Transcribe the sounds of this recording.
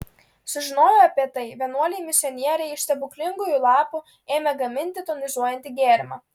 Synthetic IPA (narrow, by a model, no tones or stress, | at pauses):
sʊʒʲɪnoːjoɐpʲiɛt̪ɐɪʋʲiɛnuɔlʲɛjmʲɪsʲɪɔnʲiɛɾʲɛɪɪʃʲst̪ʲɛbʊklʲɪŋɡujulˠɑːpu | eːmʲɛɡɐmʲɪnʲt̪ʲɪt̪onʲɪzuɔjɛnʲt̪ʲɪɡʲeːɾʲmɑː